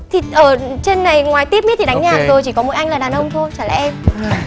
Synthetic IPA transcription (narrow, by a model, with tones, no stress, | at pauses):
t̪ʰi˨˩ʔəː˧˩t͡ɕe˧nːa˨˩jŋwaː˨˩jt̪i˦˥əp̚m˦˥t̪̚ʰi˨ɗa˨˦ŋɲaː˨˩˨zo˨˩jt͡ɕi˧˩kɔ˨˦mo̰˨˩˦ʔa˧jŋ̟laː˨˩ɗaː˨˩nʔə˧wŋ͡mt̪ʰo˧jt͡ɕaː˧˩laː˨˩˨ʔɛ˧m